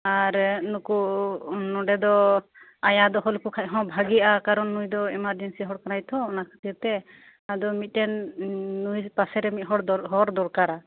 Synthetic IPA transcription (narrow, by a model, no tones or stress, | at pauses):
aɾnuku | nɔɖɛd̪ɔ | ajad̪ɔɦɔlkukʰac̚ɦɔ̃bʱaɡiakaɾɔnːujd̪ɔɛmaɾd͡ʒɛnsiɦɔɽkanajt̪ʰɔɔnakʰḁt̪iɾt̪ɛ | ad̪ɔmit̪̚ˀʈɛnː | ujpasɛɾɛmit̪̚ˀɦɔɽɦɔɾd̪ɔɾkaɾa